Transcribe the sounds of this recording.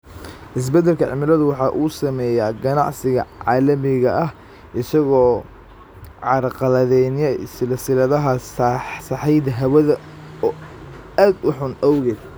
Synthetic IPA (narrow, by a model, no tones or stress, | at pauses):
ʔɪs̬bɛd̪ɛlkʰɐʕɪ̰mɪlɐðʊwɑħɑːʔuːsɐmɛːjaɡɐnɑ̰ʕsɪɣɐ̰ʕɑːlɐmɪɣɐʔɐh | ʔɪsɐɣɔː | ʕɑɾqɑlɐðɛnjɐsɪlɐsɪlɐðɐɦɐssɑħɛjd̪ɐɦɐwɐðɐ | ɔː | aːd̪ʊħʊnʔɐwɣɛːd̪